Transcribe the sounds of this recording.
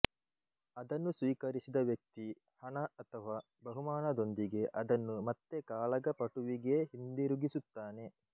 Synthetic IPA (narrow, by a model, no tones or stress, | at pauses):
ɐd̪ɐnːusʋiːkɐɾisid̪ɐʋjɐk̚t̪i | hɐɳɐɐt̪ʰɐʋaː | bɐɦumaːnɐd̪o̞nd̪iɡe̞ʔɐd̪ɐnːumɐt̪ːe̞kaːɭɐɡɐpɐʈuʋiɡe̞ɦind̪iɾuɡisut̪ːaːne̞